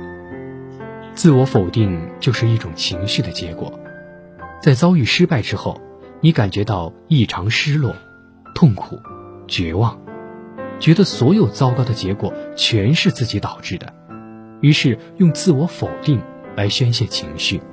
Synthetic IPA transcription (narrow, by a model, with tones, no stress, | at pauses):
t͡sɹ̩˥˩wɔ˧˥fo˨˩ʊt̪i˥˩ŋt͡ɕjo˥˧ʊʂɻ̩˥˧i˥˩ʈ͡ʂʊ˨˩ŋt͡ɕʰi˧˥ŋɕy˥˩d̪ə˩t͡ɕjɛ̰˧˥kwɔ̰˨˩˦ | t͡sa˥˩ɪt͡sɑ˥ʊy˥˩ʂɻ̩˥pa˥˩ɪʈ͡ʂɻ̩˥xo˥˩ʊ | ni˧˥ka˨˩nt͡ɕɥɛ˧˥t̪ɑ˥˧ʊi˥˩ʈ͡ʂʰɑ˧˥ŋʂɻ̩˥lwɔ̰˥˩ | t̪ʰʊ˥˩ŋkʰṵ˨˩˦t͡ɕɥɛ˧˥wɑ˥˩ŋ | t͡ɕɥɛ˧˥d̪ə˧swɔ˧˥jo˨˩ʊt͡sɑ˥ʊkɑ˥ʊd̪ə˨t͡ɕjɛ˧˥kwɔ̰˨˩t͡ɕʰɥɛ˧˥nʂɻ̩˥˧t͡sɹ̩˥˩t͡ɕi˧˥t̪ɑ˨˩ʊʈ͡ʂɻ̩˥˩d̪ə̰˩ | y˧˥ʂɻ̩˥˧ | jʊ˥˧ŋt͡sɹ̩˥˩wɔ˧˥fo˨˩ʊt̪i˥˩ŋ | la˧˥ɪɕɥɛ˥nɕ̬jɛ˥˩t͡ɕʰi˧˥ŋɕy˥˩